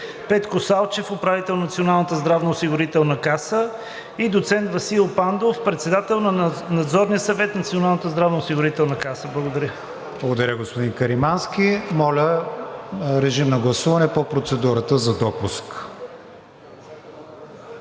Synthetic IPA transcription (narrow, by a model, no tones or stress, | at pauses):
pɛt̪kosalˠt͡ʃɛfopɾavit̪ɛlˠnɐt̪sionalˠnət̪əzd̪ɾavnəʊsiɡʊɾit̪ɛlˠnɐkasə | id̪ot̪sɛnt̪vɐsilˠpand̪ofpɾɛt̪sɛd̪at̪ɛlˠnɐnɐd̪zɔɾniəsɐvɛt̪nɐt̪sionalˠnət̪əzd̪ɾavnəʊsiɡʊɾit̪ɛlˠnɐkasəblˠəɡod̪ɐɾʲə | blˠɐɡod̪ɐɾʲəɡospod̪inkəɾimanskimɔlʲə | ɾɛʒimnɐɡlˠɐsuvɐnɛpopɾot̪sɛd̪uɾət̪əzɐd̪ɔpusk